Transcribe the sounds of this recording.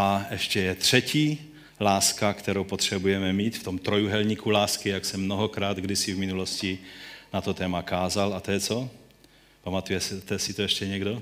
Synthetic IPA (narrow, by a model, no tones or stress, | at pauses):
ʔaʔɛʃcɛjɛt̪r̝̥ɛciː | laːskakt̪ɛɾowpot̪r̝̥ɛbujɛmɛmiːt̪ft̪omt̪ɾo̞juɦɛlɲiːkulaːskɪjaksɛmːnoɦokɾaːd̪ɡdɪsɪvmɪnuloscinat̪o̞t̪ɛːmakaːzalat̪ojɛt͡so̞ | pamat̪ujɛst̪ɛsɪt̪ojɛʃcɛɲɛɡdo̞